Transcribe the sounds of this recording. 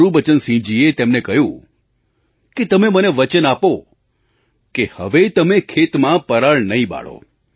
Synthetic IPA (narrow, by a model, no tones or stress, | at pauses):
ɾũbət͡ʃənsĩd͡ʒiet̪emnekəɦjũ | ket̪əmeməneʋət͡ʃənapo | kehəʋet̪əmekʰet̪mãpəɾaɭnəiba̰ɭo̰